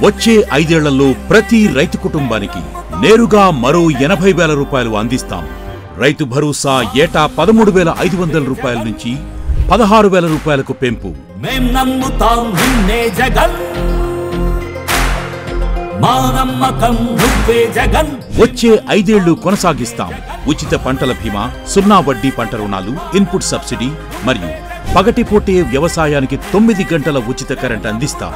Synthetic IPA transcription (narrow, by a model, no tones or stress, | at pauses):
ʋɐt͡ʃːeːʔɐjd̪ɛːɭːɐlːo̞ːpɾɐt̪iɾɐjt̪ukuʈumba̰ːnikḭ | neːɾuɡaːmɐɾoːɛnɐbʱɐjʋɛːlɐɾuːpaːjɐluɐnd̪ist̪a̰ːm | ɾɐjt̪ubʱɐɾuːsaːɛːʈaːpɐd̪ɐmuːɽuʋɛːlɐʔɐjd̪uʋɐnd̪ɐlɐɾuːpaːjɐlɐnuɲt͡ʃi | pɐd̪ɐɦaːɾuʋɛːlɐɾuːpaːjɐlɐkupe̞mpṵ | meːmnɐnːut̪aːnninneːd͡ʒɐɡɐn | maːnɐmːɐkɐmɦuʋːeːd͡ʒɐɡɐnʋot͡ʃːe̞ːʔɐjd̪e̞ːɭːukɔnɐsaːɡist̪a̰ːm | ut͡ʃit̪ɐpɐɳʈɐlɐbʱima̰ː | sunːaːʋɐɖːipɐɳʈɐɾɐuna̰ːluimpuʈsɐbsiɖi | mɐɾijṵ | pɐɡɐʈipoːʈeːʋjɐʋɐsaːjaːnikit̪omːid̪iɡɐɳʈɐlɐʋut͡ʃit̪ɐkɐɾeɳʈɐnd̪ist̪a̰ːm